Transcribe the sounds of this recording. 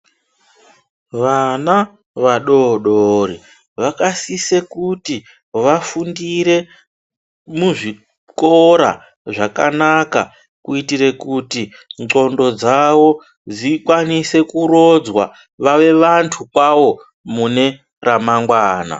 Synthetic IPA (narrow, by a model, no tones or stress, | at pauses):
ʋana | ʋaɗo̞ɗori | ʋakasisekuti | ʋafundiɾe̞ | muʐi | koɾa̰ | ʐakanaka̰ | kuitiɾe̞kuti | ŋǀo̞ndo̞d͡zawo̞ | d͡zikwanise̞kuɾo̞d͡zwa | ʋaʋe̞ʋantʰukwawo̞ | mune̞ | ramaŋɡwaːna̰